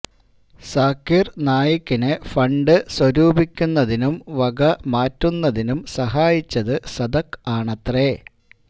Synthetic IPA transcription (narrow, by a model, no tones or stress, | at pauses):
saːkːirnaːjɐkʲːinɨfɐɳɖɨswɐɾuːbikʲːunːɐðinumʋɐɡɐmaːtːunːɐðinumsɐɦaːjit͡ɕːɐðɨsɐd̪ɐkːaːɳɐt̪re